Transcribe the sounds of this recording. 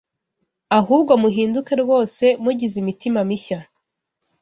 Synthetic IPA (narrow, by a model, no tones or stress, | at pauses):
aɦuːbɡo̞muɦiːnduke̞ɾɡo̞ːse̞muɟizimitimamiça